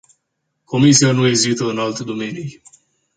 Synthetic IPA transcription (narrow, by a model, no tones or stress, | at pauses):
ko̞misianue̞zit̪əɨnalt̪ed̪o̞me̞nij